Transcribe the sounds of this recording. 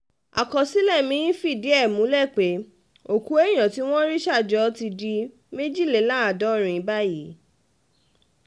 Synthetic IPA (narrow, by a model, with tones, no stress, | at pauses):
a̰˨kɔ˨si˦lɛ˦˨mĩ˨˦ĩ˦fi˦˨di˨˦ɛ˦˨mũ˨˦lɛ˦˨k͡pe˨˦ | o˨ku˨˦e˦j̃ã˨ti˨˦w̃ɔ̃˦ɾi˦ʃa˦˨d͡ʒɔ˨˦ti˧di˧˦ | me˦d͡ʒi˦˨le˨la˦a˨dɔ˨˦ɾ̃ĩ˨i˨˦ba˦ji˨˦